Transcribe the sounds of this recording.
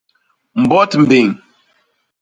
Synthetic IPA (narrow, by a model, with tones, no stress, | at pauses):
m̩˨bɔ˦tm̩˨bi˨ŋ